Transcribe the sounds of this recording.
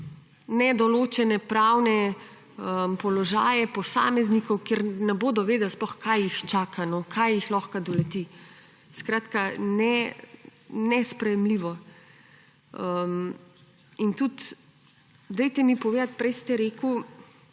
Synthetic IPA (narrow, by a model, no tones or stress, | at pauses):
nɛd̪ɔloːt͡ʃɛnɛpɾaːwnɛ | əmpɔlɔʒa̰ːjɛpɔsa̰ːmɛznikɔwkeɾnɛboːd̪ɔʋeːd̪əlsplɔxkajixt͡ʃaːkʰanɔkʰajixlɔxkad̪ɔlɛt̪i | skɾaːt̪kanɛ | nɛspɾɛjɛmliʋɔ | əm | int̪ut̪ | d̪ɛjt̪ɛmipɔʋeːd̪at̪̚pɾɛjst̪ɛɾeːku